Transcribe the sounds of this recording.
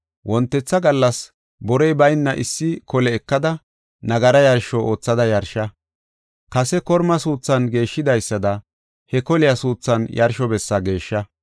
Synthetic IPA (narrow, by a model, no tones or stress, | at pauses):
wʔɔnt̪ːɛt͡sːɐɡɐlːɐs | bɔɾɛjbɐjnːɐʔɪsːɪkɔlɛːkːɐd̪ɐ | nɐɡɐɾɐjɐɾʃɔʔo̞ːt͡sːɐd̪ɐjɐɾʃɐ | kɐsɛkɔɾmɐsuːt͡sːɐnɡe̞ːʃːɪd̪ɐjsːɐd̪ɐ | hɛkɔlɪjɐsuːt͡sːɐnjɐɾʃɔbɛsːɐɡe̞ːʃːɐ